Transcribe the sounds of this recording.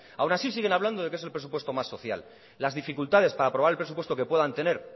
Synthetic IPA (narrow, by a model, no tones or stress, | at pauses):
awnasis̬iɣe̞naβland̪o̞ð̞e̞kee̞se̞lpɾs̬upwe̞st̪o̞masːo̞θja̰lː | azðifikult̪að̞e̞spaɾaːpɾoaɾelpɾsupwe̞st̪o̞ke̞pwe̞ðant̪e̞ne̞ɾ